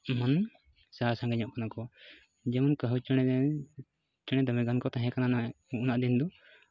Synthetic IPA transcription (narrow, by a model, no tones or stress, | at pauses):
man | saɦasãŋɡɛɲɔ̃ʔkanakɔ | d͡ʒɛmankəɦut͡ʃɛ | t͡ʃəɽ̃ɛd̪əmɛɡankɔt̪ãɦɛ̃kanana | uʔnaʔd̪ind̪ɔ